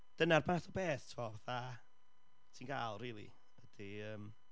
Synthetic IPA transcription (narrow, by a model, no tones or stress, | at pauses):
d̥ənarbaθɔbeːθtʰumɔvaθa | tʰiːnɡaːlˠriːlˠḭ | əd̥iəːm